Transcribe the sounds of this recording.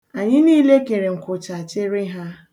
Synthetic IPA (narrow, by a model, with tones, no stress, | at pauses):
a˨ɲɪ˦niː˦le˦ke˨ɾe˨ŋ̩˨kʊ˨t͡ʃa˨t͡ʃɪ˦ɾɪ˦ɦa˦